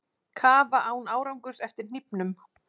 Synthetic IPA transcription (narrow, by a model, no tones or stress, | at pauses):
kʰaːvaʔaːwnaːwɾawŋkʏ̥sɛft̪ɪɾ̥n̥ipnʏm